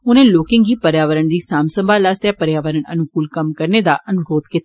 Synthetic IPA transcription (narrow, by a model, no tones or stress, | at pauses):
ʊnẽːloːkɪ̃ŋɡiːpəɾjaːʋəɾəɳd̪iːsaːmsəmbʱaːlaːst̪jɛːpəɾjaːʋəɾəɳə̰nʊkuːlkəmkəɾneːd̪a̰ːʔənʊɾoːd̪kɪt̪a